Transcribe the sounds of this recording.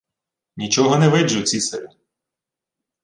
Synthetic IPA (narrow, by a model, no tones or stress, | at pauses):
nʲit͡ʃɔɦɔnɛʋɪd͡ʒʊt͡sʲisɐɾʲi